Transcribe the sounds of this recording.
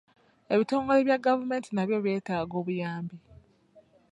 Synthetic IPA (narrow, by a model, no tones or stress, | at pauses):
e̞βito̞ːŋɡo̞le̞βjaɡavume̞ːntinaβjo̞βje̞ːtaːɡo̞ːβujaːmbi